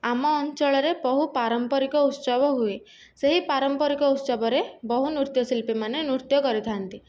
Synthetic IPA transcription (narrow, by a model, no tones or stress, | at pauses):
amɔːnt͡ʃɔɭɔɾebɔɦupaɾɔmpɔɾikɔut̪sɔbɔɦue | seɦipaɾɔmpɔɾikɔut̪sɔbɔɾebɔɦunuɾt̪jɔsilpimanenuɾt̪jɔkɔɾit̪ʰant̪i